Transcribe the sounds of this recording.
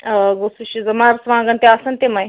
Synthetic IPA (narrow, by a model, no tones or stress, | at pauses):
ɡosuɕizɐmaɾsʋãːɡɐnt̪easɐnt̪emaj